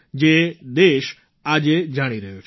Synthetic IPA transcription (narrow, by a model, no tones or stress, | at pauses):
d͡ʒed̪eʃ | ad͡ʒed͡ʒaɽ̃iɾəɦut͡ʃʰ